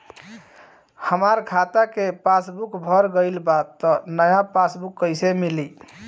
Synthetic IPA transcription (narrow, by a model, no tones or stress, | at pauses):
həmaɾkʰat̪akepasbukbʱəɾɡəɪlbat̪ːɔnəjapasbukːəɪsemili